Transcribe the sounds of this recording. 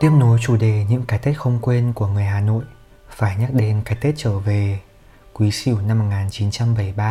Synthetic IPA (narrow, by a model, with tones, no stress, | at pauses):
t̪i˦˥˩əm̚no˨˦jt͡ɕu˧˩ɗe˨˩ɲɨ̰˧˥ŋkaː˨˦jt̪e˦˥t̚xə˧wŋ͡mkwe˧nku˧˩əŋɨ˨˩əjɦaː˨˩no̰˧˨j | faː˧˩jɲə˦˥t̚ɗe˨˧˦nkaː˨˦jt̪e˦˥t̚t͡ɕəː˧˩ve˨˩ | kwi˨˦sḭ˧˩əwna˧mːo˨˩ŋaː˨˩nt͡ɕi˨˦nt͡ɕa˧mɓə˧˩jɓaː˧